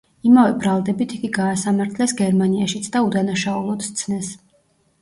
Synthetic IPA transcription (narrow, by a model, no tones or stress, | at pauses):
imavɛbɾalˠd̪ɛbit̪ʰiɡiɡaːsamaɾt̪ʰlɛsɡɛɾmaniaʃit̪sʰd̪aud̪anaʃaulˠɔt̪t̪sʰnɛs